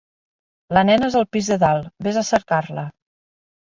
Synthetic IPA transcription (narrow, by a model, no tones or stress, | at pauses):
lənɛnəezəlˠpizðəðalˠbezasəɾkaɾlə